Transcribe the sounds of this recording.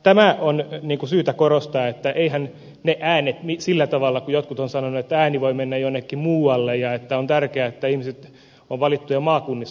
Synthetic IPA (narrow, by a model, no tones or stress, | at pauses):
t̪æmæonniːŋkusyːt̪ækorost̪ɑːet̪ːæʔeihæn | neʔæːnet̪misilːæt̪ɑʋɑlːɑkujot̪kut̪onsɑnonːuet̪ːææːniʋoimenːæjjonːekːimmuːɑlːejjɑet̪ːæont̪ærkeæet̪ːæihmiset̪ | oʋʋɑlit̪ːujɑmɑːkunːis